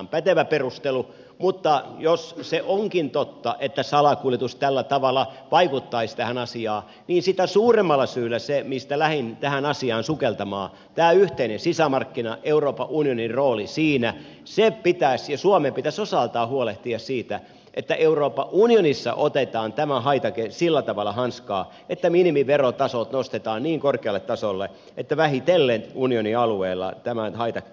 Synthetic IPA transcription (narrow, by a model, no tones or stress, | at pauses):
mpæt̪eʋæperust̪elu | mut̪ːɑjosseʔoŋkint̪ot̪ːɑʔet̪ːæsɑlɑkuljet̪ust̪ælːæt̪ɑʋɑlːˑɑʋɑikut̪ːɑist̪æhænɑsiɑː | niːnsit̪æsuːremːɑlːˑɑsyːlæsemist̪ælæhint̪æhænɑsiɑːnsukelt̪ɑmɑ̰ː | t̪æːyht̪einensisæmɑrkːinɑʔeuroːpɑʔunionirroːlisiːnæ | sepit̪æsjɑsuɑmempit̪æsosɑlt̪ɑːhuoleht̪iɑssiːt̪æ | ʔet̪ːæʔeuroːpːɑʔunionisːɑ̰ʔot̪et̪ɑːnt̪æmæhɑit̪ɑkesilːæt̪ɑʋɑlːˑɑhɑnskɑː | et̪ːæminimiʋerot̪ɑsolt̪nost̪et̪ɑːnniːŋkorkeɑlːˑet̪ːɑsolːe | ʔet̪ːæʋæhit̪elːent̪unioniɑlueːlːɑ̰t̪æmænhɑit̪ɑk